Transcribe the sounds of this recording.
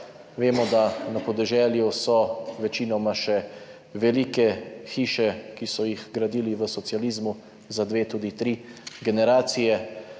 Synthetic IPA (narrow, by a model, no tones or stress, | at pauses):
ʋeːmɔd̪anapɔd̪ɛʒɛːljusɔʋɛt͡ʃiːnɔmaʃɛ | ʋɛliːkɛxiːʃɛkisɔjixɡɾad̪iːliʋəsɔt̪sjaliːzmu | zad̪ʋeːt̪uːd̪it̪ɾiːɡɛnɛɾaːt̪sijɛ